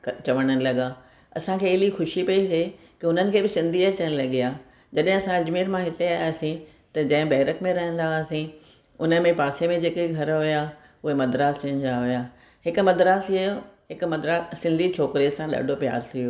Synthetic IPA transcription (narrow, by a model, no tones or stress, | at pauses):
kt͡ɕɐʋəɽ̃ənɪ̆lɐɠa | ɐ̰sãkʰeːɦɪlixʊʃipɐise | kɪʊn̤ənɪ̆kʰeːbɪsɪ̃nd̪ʱiɐt͡ɕəñɪlɐɠiaː | d͡ʑɐɗɦɪ̃ɐsãɐd͡ʑmeːɾmãɦɪt̪eaːjsĩ | t̪ɐd͡ʑɐ̃ɦɪ̃bɐɦɾəkmẽɾɐɦə̃n̆d̪asĩ | ʊnəmẽpaːsemẽd͡ʑeːkeɡʱɐɾɦʊja | ʊɦemɐd̪ɾaːsiənɪ̆d͡ʑaɦʊjaː | ɦɪkʊ̆mɐd̪ɾaːsijoɦɪkʊmɐd̪ɾaːsɪ̃nd̪ʱit͡ɕʰoːkɾisãɗa̰ːɖʱopja̰ːɾsioː